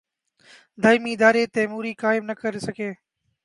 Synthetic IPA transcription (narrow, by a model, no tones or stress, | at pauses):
d̪ʱəjmiːɪd̪aːɾeːt̪eːmuːɾiːkaːɪbnəkəɾeːsəkʰeː